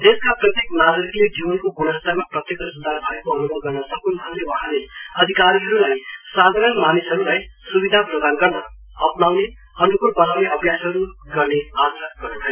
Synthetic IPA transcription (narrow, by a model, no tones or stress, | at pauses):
t̪eskaprʌt̪jeknaɡʌɾikled͡ʒibʌnkoɡunʌt̪amaprʌt̪jekʌsud̪ʱarbʱʌekoʌnubʌnɡʌrnʌsʌkunbʱʌnd̪ewʌɦãleʌd̪ʱikaɾiɦʌɾulajsad̪ʱaɾʌnmanisɦʌɾulajsubid̪ʱaprʌd̪anɡʌrnʌː | pnawne | ʌnukurbʌnawneʌbjasɦʌɾuɡʌrneasɾat̚ɡʌrnubʱʌjo